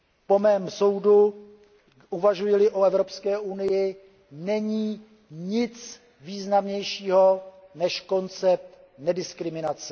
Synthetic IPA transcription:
po̞mɛːmso̞wdu | ʔuvaʒujɪlɪʔoɛvɾo̞pskɛːʔunɪjɪ | nɛɲiː | ɲɪt͡s | viːznamɲɛjʃiːɦo̞ | nɛʃko̞nt͡sɛp̚t̪ | nɛdɪskɾɪmɪnat͡sɛ

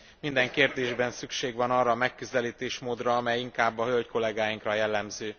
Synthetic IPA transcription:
mind̪ɛŋkeːrd̪eːʒbɛnsykʃeːɡʋɒnɒrːɒːmɛkːøzɛliːt̪eːʃmoːd̪rɒɒmɛjiŋkaːbːɒɦølc̪ko̞lɛɡaːjiŋkrɒjɛlːɛmzøː

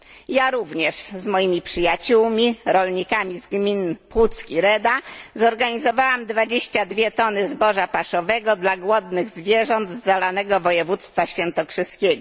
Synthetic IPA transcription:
jaɾuvɲɛʂzmɔjimʲipʂɘjat͡ɕuwmʲiɾɔlɲikamʲizɡmʲinpwut̪skʲiɾɛd̪azɔɾɡaɲizɔvawamd̪vad͡ʑeɕt͡ɕad̪vʲjɛt̪ɔnɘzbɔʐapaʂɔvɛɡɔd̪laɡwɔd̪nɘɣzvʲjɛʐɔnd̪zːalanɛɡɔvɔjɛvut̪st̪faɕfʲjɛnt̪ɔkʂɘskʲɛɡɔ

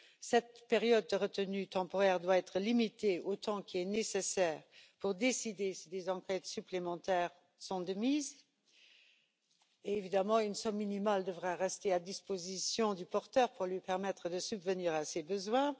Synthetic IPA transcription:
sɛt̪peʁjɔd̪̚ːəʁət̪ənyt̪ɑ̃poʁɛːʁd̪waɛt̪χəlimit̪eot̪ɑ̃kʰiɛnesesɛːʁpuʁd̪esid̪esid̪ezɑ̃kɛt̪syplemɑ̃t̪ɛːʁ | sɔ̃d̪əmiːz | evid̪amɑ̃ynsɔmːinimald̪əvʁaʁɛst̪ead̪ispozisjɔ̃d̪ypɔʁt̪œːʁpuʁlɥipɛʁmɛt̪χəd̪əsybvəniːʁasebəzwɛ̃

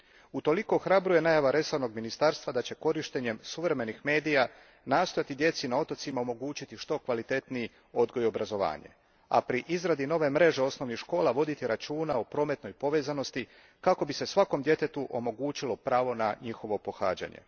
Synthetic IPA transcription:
ut̪o̞liko̞xɾabɾuje̞najaʋaɾe̞saʋno̞ɡminist̪aɾst̪ʋad̪at͡ɕe̞ko̞ɾiʃt̪e̞ɲe̞msuʋɾe̞me̞nixme̞ːd̪ija | naːst̪o̞jat̪id̪je̞t̪sinao̞t̪ot̪simaomo̞ɡuːt͡ɕit̪iʃt̪o̞kʋalit̪e̞t̪nii | o̞d̪ɡo̞jo̞bɾazo̞ʋa̰ːɲe̞̰ | a̰pɾiʔizɾad̪ino̞ʋe̞mɾe̞ʒe̞o̞sno̞ʋnixʃko̞ːlˠaʋo̞d̪it̪iɾat͡ʃuːnaopɾo̞ːme̞t̪no̞jpo̞ʋe̞ːzano̞st̪i | kako̞bise̞sʋako̞md̪je̞t̪e̞t̪uʔo̞mo̞ɡuːt͡ɕilo̞pɾaːʋo̞naɲixo̞ʋo̞po̞xa̰ːd͡ʑa̰ɲḛ

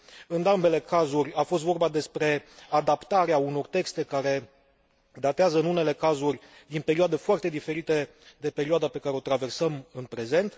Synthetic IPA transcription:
ɨnd̪ambe̞le̞kazurʲafo̞st̪vo̞rbad̪e̞spɾe̞ad̪apt̪aɾeauno̞rt̪e̞kst̪e̞kaɾe̞ | d̪at̪eazəɨnune̞le̞kazurʲ | d̪inpe̞ɾioad̪e̞foart̪e̞d̪ife̞ɾit̪e̞ | d̪e̞pe̞ɾioad̪ape̞kaɾe̞o̞t̪ɾave̞rsəmɨnpɾe̞ze̞nt̪

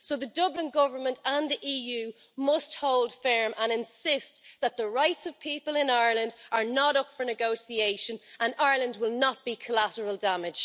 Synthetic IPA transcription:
soʊðədʊblɪ̃nɡʊvə˞mə̃ntə̃nðiʔiːjʉː | mʊst̚hoʊlˠd̥fɜ˞mʔə̃ñɪ̃nsɪst̪ðət̪̚ðəɹaɪtsəv̥pʰipəlˠɪ̃naɪələ̃ndʔə˞nəɾʊpfə˞nɨɡoʊsieɪʃə̃nʔə̃naɪlə̃ndwɪlˠnət̚b̥ikʰəlaɾəɹəlˠdamɪd̥ʒ̥

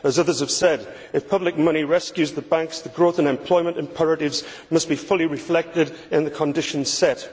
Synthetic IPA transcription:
əzʌðə˞z̥əv̥sɛd | ɪfpʰʌblɪk̚mʌñiɹɛskjʉzðəbãŋksðəɡɹoθə̃nɛ̃mpʰl̥ɔɪmə̃ntɨ̃mpʰɛɹəɾɪvz | mʌsb̥ifʊlˠiɹɪflɛk̚tɪd | ɪ̃nðəkʰə̃ndɪʃə̃nz̥sɛt

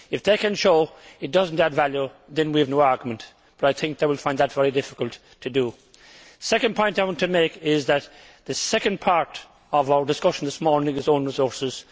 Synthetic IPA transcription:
ɨfðeɪkɨ̃nʃoʊɨt̚d̥ʌzə̃n̩tədvæljuðɨ̃nwiɨvnoʊaɹɡjəmə̃n | b̥ʌɾaɪθɪ̃ŋk̚ðeɪwɪlˠfãɪ̃nðətvɛɹidɪfɪ̥kəlˠtʰɨdə | sɛkə̃npʰɔ̃ɪ̃ntaɪwɑ̃ntʰɨmeɪkɪzðɨt̪̚ | ðɨsɛkə̃npʰaɹɾ | ʌvaʊə˞dɨskʌʃn̩ðɪsmɔɹnɪ̃ŋɨzõʊ̃nɹɪzɔɹsɪz̥

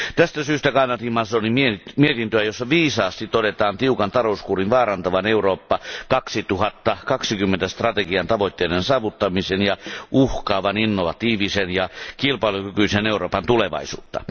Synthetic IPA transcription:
t̪æst̪æsyːst̪ækɑnɑt̪imɑsonimiemiet̪int̪øæjosːɑʋiːsɑːst̪it̪odet̪ɑːnt̪iukɑnt̪ɑloˑuskuːrinʋɑːrɑnt̪ɑʋɑneuroːpːɑkɑksit̪uhɑt̪ːɑkɑksikymːent̪æst̪rɑt̪eɡiɑnt̪ɑʋot̪ʲːeːdensɑːʋut̪ːɑmisenjɑʔuhkɑːʋɑninːoʋɑt̪iːʋisenjɑkilpɑilukykyiseneuroːpɑnt̪uleʋɑ̰isṵːt̪ːɑ̰

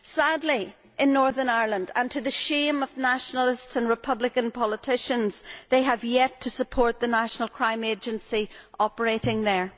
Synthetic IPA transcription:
sadˡli | ʔɪ̃nːɔɹðə˞naɪɹlˠə̃ndə̰̃ntʰɨðɨʃẽmʌvnaʃnəl̩ˠɪstsə̃nɹɨpʰʌblɪkə̃npʰɔlˠətʰɪʃə̃nz̥ðeɪəvjɛtʰəsəpʰɔɹt̪̚ðənaʃənəl̩ˠkʰɹ̥ãɪ̃med͡ʒə̃nsiʔɔpə˞eɾɪ̃ŋðə˞

